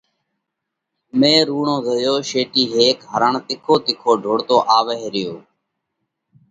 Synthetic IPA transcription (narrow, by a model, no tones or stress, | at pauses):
mẽːɾuːɳõːzəjoːʃeːʈiːɦeːkɦəɾəɳt̪ɪkʰoːt̪ɪkʰoːɖʱoːɽt̪oːʔaːʋeːɦɾɪjoː